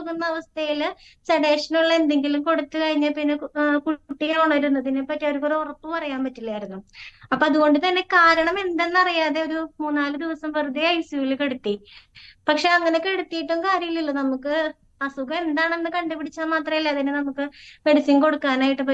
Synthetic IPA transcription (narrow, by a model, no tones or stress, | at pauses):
kːunːɐːʋɐst̪ʰɐjil | sɐɽeːʂɐnuɭːe̞nd̪e̞ŋɡilumko̞ɽut̪ːɨkɐɻiɲːaːlpinːekuʈːiɣɐuɳːaiɾunːɐðinepːɐtːeoɾukːoɾurɐpːupɐrɐjaːmpɐtːilːaːjiɾunːuɐpːoɐðuɣo̞ɳɖɨt̪ɐnːe̞kaːɾɐɳɐme̞nd̪e̞nːɨɐrijaːðe̞oɾumuːnːaːlɨd̪iʋɐsɐmperɨd̪iɐjsujilke̞ɽut̪ːipɐkʂe̞ːɐŋːɐnekːe̞ɽut̪ːijiʈːuŋkaːɾjɐjilːilːɐnɐmukːɨ | ɐsuɣɐme̞nd̪aːɳe̞nːɨkɐɳɖɐpiɽit͡ɕːaːmaːt̪rɐmilːɐɐðinenɐmukːɨme̞ɽisiŋko̞ɽukːaːnaːjiʈːɨpɐ